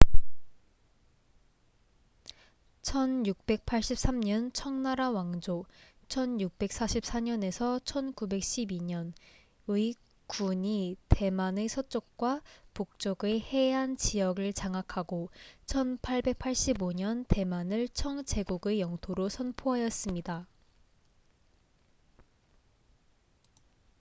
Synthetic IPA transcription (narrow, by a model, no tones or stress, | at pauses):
t͡ɕʰʌnjuk̚p͈e̞k̚pʰaɭɕ͈ip̚s͈amɲʌnt͡ɕʰʌŋnaɾawaŋd͡ʑo | t͡ɕʰʌnjuk̚p͈e̞k̚s͈aɕʰip̚s͈aɲʌne̞sʰʌt͡ɕʰʌnkube̞k̚ɕ͈ʰibiɲʌn | ɯi | kuɲite̞manesʰʌt͡ɕ͈ok̚k͈wapok̚t͡ɕ͈oɡehe̞ɦant͡ɕijʌɡɯɭt͡ɕaŋakʰaɡot͡ɕʰʌnpʰaɭbe̞k̚pʰaɭɕ͈iboɲʌnte̞manɯɭt͡ɕʰʌŋt͡ɕe̞ɡuɡe̞jʌŋtʰoɾosʰʌnpʰoɦajʌs͈ɯmɲida